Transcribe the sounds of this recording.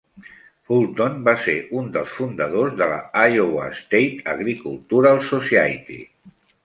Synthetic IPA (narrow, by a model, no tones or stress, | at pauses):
fulˠt̪onbaseɾund̪əlˠsfund̪əðozðəla̰ajowa̰st̪ejt̪ə̰ɣɾikulˠt̪uɾalˠsosiajt̪ḭ